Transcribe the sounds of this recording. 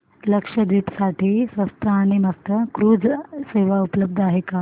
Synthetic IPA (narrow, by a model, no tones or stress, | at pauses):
ləkʂəd̪iːpsaʈiːsʋɐst̪ʰəaɽ̃imɐst̪əkɾuːd͡zseʋaupələb̚d̪ʱaɦeka